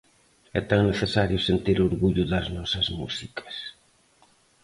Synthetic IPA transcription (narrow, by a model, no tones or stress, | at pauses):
ɛt̪aŋneθesaɾjʊsent̪iɾoɾɣuʎʊðɐznɔsɐzmṵsikʰɐ̥s